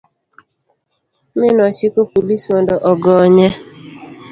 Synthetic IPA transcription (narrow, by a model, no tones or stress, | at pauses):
mɪnɔt͡ʃɪkopolisɔndɔʔɔɡɔɲɛ